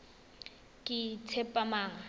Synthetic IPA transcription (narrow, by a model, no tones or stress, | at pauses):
kʼɪt͡sʰɛpʼamaːŋa